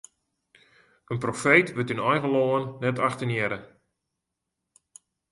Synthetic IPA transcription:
ənprofeːtʋətynɔjɣəloənːɛtaxtənjɛɾə

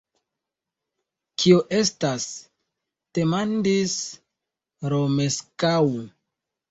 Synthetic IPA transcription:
kʰioʔe̞stas | d̥e̞mandis | ɾomeskawu

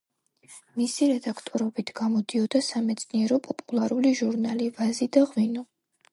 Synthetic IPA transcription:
misiɾɛd̪akʰt̪ʼɔɾɔbit̪ʰɡ̥amɔd̪iɔd̪asamɛt̪sʼniɛɾɔpʼɔpʼulˠaɾuliʒuɾnalivazid̪aʁwinɔ

